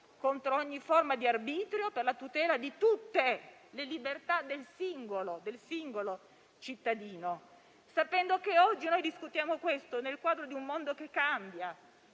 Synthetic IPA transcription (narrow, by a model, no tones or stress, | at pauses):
kont̪ɾooɲːiformad̪iarbiːt̪ɾjoperlat̪ut̪ɛːlad̪it̪ut̪ːelelibert̪ad̪elsiŋɡolod̪elsiŋɡolo | t͡ʃit̪ːad̪iːno | sapɛnd̪okeɔd͡ʒːinojd̪iskut̪jaːmokwest̪onelkwaːd̪ɾod̪iummond̪okekːambja